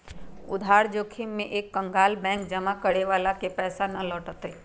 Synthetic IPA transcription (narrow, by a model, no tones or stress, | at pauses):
ʊd̪ʱaːɾd͡ʒoːkʰimːẽʔeːkːə̃ŋɡaːlbɛ̃ːŋk̚d͡ʒəmakəɽeʋaːlakepɛːsanɐlɔːʈət̪e